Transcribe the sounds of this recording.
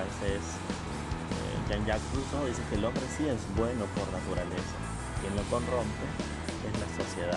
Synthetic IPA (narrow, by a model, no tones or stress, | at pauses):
esees | ḛʝanjakpɾusoðisekeːlõ̞mbɾe̞sie̞zbwe̞no̞po̞ɾnat̪uɾale̞sa̰ | kje̞nlo̞ko̞nro̞mpe̞ | e̞zlaso̞sje̞ða